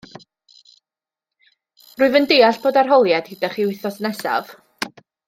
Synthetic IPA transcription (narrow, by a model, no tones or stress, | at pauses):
rʊːɨvəndeaɬb̥oːdarɦɔlˠjad̥hidaχiwɪθɔsənɛsa̰v̥